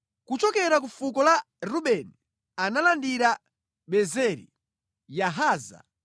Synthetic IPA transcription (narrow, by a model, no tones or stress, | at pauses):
kut͡ʃɔkɛɾak̬ufukɔla | ɾuɓɛni | analandiɾa | ɓɛzɛɾḭ | jaɦaːza̰